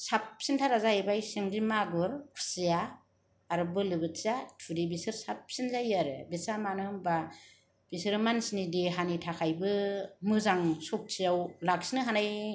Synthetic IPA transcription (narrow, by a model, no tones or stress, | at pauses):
sap̚sintʰaɾazajibajsiŋɡimaɡɯɾkʰu̥sijaː | ɾɯbɯlɯbɯtsatʰudibisɯɾsap̚sinzajaɾɯbisamanɯɯmba | b̥isɯɾmansinidiɦanitʰakʰajbɯmɯzaŋsɔk̚t͡ʃʰijawlak̚sinɯɦanaj